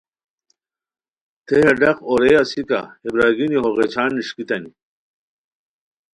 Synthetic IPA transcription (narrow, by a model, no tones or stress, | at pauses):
t̪ʰejɐɖɐqoɾejɐsika̰hebɾaːɡiniɦoʁet͡ɕʰaːnːiʂkit̪ɐni